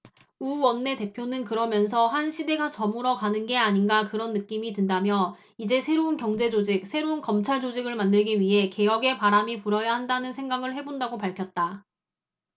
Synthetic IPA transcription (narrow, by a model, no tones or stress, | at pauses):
uwʌnːe̞te̞pʰjonɯnkɯɾʌmjʌns̬ʰʌhanɕʰide̞ɡat͡ɕʌmuɾʌkanɯnɡe̞aɲinɡakɯɾʌnːɯk͈imitɯndamjʌ | id͡ʑe̞sʰe̞ɾounkjʌŋd͡ʑe̞d͡ʑod͡ʑik̚sʰe̞ɾounkʌmt͡ɕʰaɭd͡ʑod͡ʑiɡɯɭmandɯɭɡiɥiɦe̞ke̞jʌɡe̞paɾamipuɾʌjahandanɯnsʰe̞ŋɡaɡɯɭhe̞bondaɡopaɭkʰjʌt̚t͈a